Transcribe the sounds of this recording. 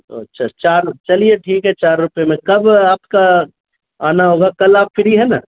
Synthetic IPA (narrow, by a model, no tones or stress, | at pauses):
o̰ɐtːʃʰat͡ʃaːɾt͡ʃɐlieʈʰiːkɦɛt͡ʃaːɾːʊpemẽkɐbaːpka | aːnaɦoːɡakɐlaːpfɪɾiɦɛna̰ː